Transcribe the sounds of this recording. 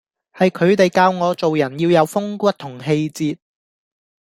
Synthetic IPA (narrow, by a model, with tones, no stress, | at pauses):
hɐ˨jkʰɵ˨˧ɥt̪e˨jkaː˧wŋɔː˨˧t͡so˨wjɐ˨˩njiː˧wjɐ˨˧wfʊ˥ŋkʷɐ˥t̚t̪ʰʊ˨˩ŋɦe˧jt͡siː˧t̚